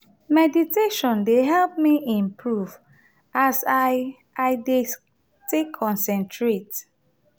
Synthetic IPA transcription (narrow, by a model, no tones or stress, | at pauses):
mɛditeʃɔ̃ndeɦɛlp̚miĩmpʰɹuv | asa | aɪde | tekʰɔ̃nsɛ̃ntʰɹet